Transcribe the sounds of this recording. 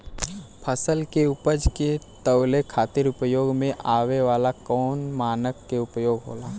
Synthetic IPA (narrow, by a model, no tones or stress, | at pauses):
pʰəsəlkeʊpəd͡ʒket̪əʊlekʰaːt̪ɪɾʊpjoːɡmẽʔaːʋeʋaːlakɔːnmaːnəkːeʊpjoːɡɦo̰ːlaː